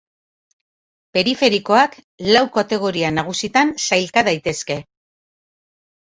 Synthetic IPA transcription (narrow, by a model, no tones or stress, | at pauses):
pe̞ɾife̞ɾiko̞ak | lawkat̪e̞ɣ̞o̞ɾianaɣ̞usit̪ansajlkaðajt̪e̞ske̞